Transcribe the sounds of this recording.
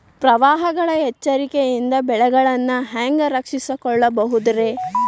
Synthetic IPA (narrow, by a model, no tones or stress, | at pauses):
pɾɐʋaːɦɐɡɐɭɐɦɛt͡ʃːɐɾikejind̪ɐbɛɭɛɡɐɭɐnːɐɦaːŋɡɐɾɐkʂisɐkɔɭːɐbɐɦud̪ɐɾe̞